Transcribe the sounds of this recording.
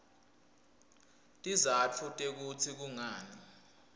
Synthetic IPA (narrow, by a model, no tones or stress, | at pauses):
tʼizat͡fʰutʼek̬ut͡sʰik̬uŋaːni